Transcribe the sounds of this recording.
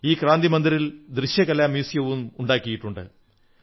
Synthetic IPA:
iːkɾaːnd̪imɐnd̪iɾild̪ɾiɕjɐkɐlɐmjuːsjɐʋumuɳɖaːkːijiʈːuɳɖɨ̰

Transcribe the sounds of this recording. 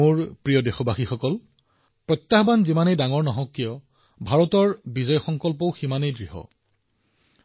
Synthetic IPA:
uɹpɹijɔdexɔbaxixɔkɔl | pɹɔt̪ːaxbanzimanejdaŋɔɹnɔɦɔ̃kːijɔ | bʱaɹɔtɔɹbizɔjxɔŋkɔlp̬ɔʊximanejdɹiɦɔ̰

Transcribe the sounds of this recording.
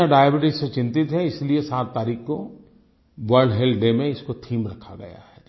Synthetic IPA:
aɖaːjbɪʈɪzset͡ʃɪ̃nt̪ɪt̪ɦɛɪsliesaːt̪ːaːɾiːxko | ʋəɾɖɦeːlɖemẽɪskot̪ʰiːmɾɐkʰa̰ɡɐ̰ja̰hɛː

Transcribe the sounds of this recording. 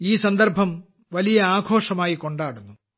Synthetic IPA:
iːsɐnd̪ɐɾbʱɐm | ʋɐlijɐaːɡʱoːʂɐmaːjiko̞ɳɖaːɽunːu

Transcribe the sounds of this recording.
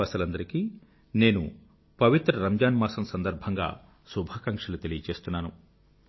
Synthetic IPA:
ɐsɐlɐnd̪ɐɾikiː | ne̞ːnṵ | pɐʋit̪ɾɐɾɐmd͡ʒaːnmaːsɐmsɐnd̪ɐɾbʱɐŋɡa̰ː | subʱaːkɐŋkʂɐlut̪e̞lijɐt͡ʃe̞ːst̪unːaːnu

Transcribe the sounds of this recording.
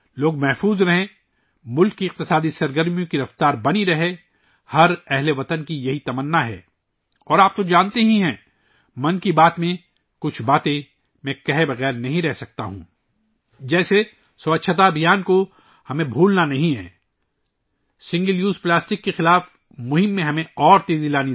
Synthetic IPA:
loːɡ̚mɛɦfuːzɾɐɦẽ | mʊlkːiɪq̚t̪ɪsaːd̪isɐɾɡəɾmijõkiɾɐft̪aːɾbɐniɾɐɦe | hɐɾɛɦleʋɐt̪ənkijɐɦit̪ɐmənːaɦɛ̰ː | ɔːɾaːp̚t̪od͡ʒãːnt̪eɦĩɦɛ̃ | mɐ̃nkibaːt̪mẽ | kʊt͡ʃʰbaːt̪ẽ | mɛ̃kɐɦebɐɣɛːɾnɐɦĩɾɛɦsɐk̚t̪a̰ɦṵ̃ː | d͡ʒɛːse | sɐɐtːʃʰət̪̬abɪjaːnko | hɐmẽbʱuːlnanɐɦĩɦɛ̰̃ː | sɪ̃ŋɡəljuːzplaːsʈɪkːexɪlaːf | mʊɦɪmːẽɦɐmẽɔːɾt̪eːzilaːni

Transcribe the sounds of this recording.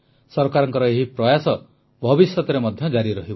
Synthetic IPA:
sɔɾkaɾɔŋkɔɾɔeɦipɾɔjasɔ | bʱɔbisjɔt̪ɔɾemɔd̪ʱjɔd͡ʒaɾiɾɔɦib

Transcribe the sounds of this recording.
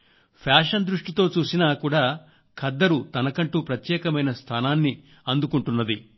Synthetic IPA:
pʰjaːʂɐnd̪ɾuʂʈit̪o̞ːt͡ʃuːsinaːkuːɽaː | kʰɐd̪ːɐɾut̪ɐnɐkɐɳʈuːpɾɐt̪jɛːkɐmɐjnɐst̪ʰaːnaːnːi | ɐnd̪ukuɳʈunːɐd̪i

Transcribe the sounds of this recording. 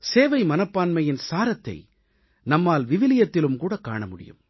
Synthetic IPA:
seːʋɐɪmɐnɐpːaːnmɐjɪnsaːɾɐt̪ːɐ̰ɪ | nɐmːaːlʋɪʋɪlɪjɐt̪ːɪlɯmkuːɽɐka̰ːɳɐmʊɽɪ̰jɯ̰m

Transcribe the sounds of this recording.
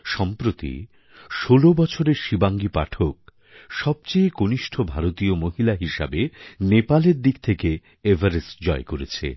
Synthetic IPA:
ʃɔmpɾot̪ḭ | ʃolobɔt͡ɕʰoɾeɾʃibaŋɡipa̰ʈʰok̚ | ʃɔb̚t͡ɕejkoniʃʈʰobʱaɾot̪iomoɦilaɦiʃa̰benepaleɾd̪ikt̪ʰeke | evʱaɾesd͡ʑɔekoɾet͡ɕʰḛ

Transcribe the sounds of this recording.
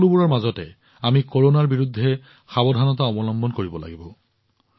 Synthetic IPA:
lubuɹaɹmazɔtɛ̰ | amikoɹonaɹbiɹudʱːɛ | xabɔdʱanɔtaɔbɔlɔmbɔnkoɹibɔla̰ɡibɔ

